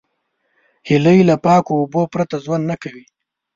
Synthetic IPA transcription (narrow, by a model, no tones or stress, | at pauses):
hiləjlapɑːkoːbopɾat̪azwanːakawi